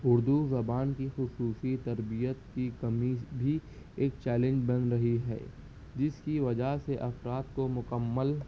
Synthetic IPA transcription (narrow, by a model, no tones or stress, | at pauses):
ʊɾd̪uzɐbaːnkixʊsuːsit̪ɐɾbijət̪kikɐmibʱi | eːk̚t͡ʃɛːlẽɲd͡ʒbɐnɾɐɦiɦɛ̰ː | d͡ʒɪskiʋɐd͡ʒaɦseʔɐfɾaːt̪komʊkəmːəl